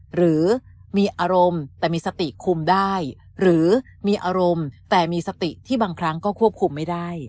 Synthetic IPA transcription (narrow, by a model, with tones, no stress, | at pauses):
ɾɯː˩˦miː˧ʔaː˧ɾo˧mt̪ɛː˨˩miː˧sa˧t̪i˨˩kʰu˧mdaː˥˩j | ɾɯː˩˦miː˧ʔaː˧ɾo˧mt̪ɛː˨˩miː˧sa˧t̪i˨˩t̪ʰiː˥˩baː˧ŋkʰɾa˦˥ŋkɔː˥˩kʰu˥˩əp̚kʰu˧mːa˥˩jdaː˥˩j